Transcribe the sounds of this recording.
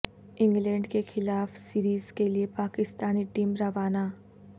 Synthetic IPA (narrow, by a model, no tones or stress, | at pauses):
ɪ̃ŋɡlɛ̃ːɳɖkexɪlaːfsiːɾiːzkeliepaːkɪst̪aːniʈiːmɾɐʋaːnaː